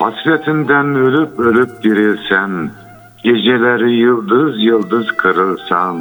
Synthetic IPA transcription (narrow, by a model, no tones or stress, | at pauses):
fɑ̰slɛt̪ʰɪnd̪ænølypølyp̚d̪iɾɪlsɛn | ɡʲeʒɛlæɾɪjɯlˠd̪ɯzjɯlˠd̪ɯzqʰɨɾɯlˠsɑn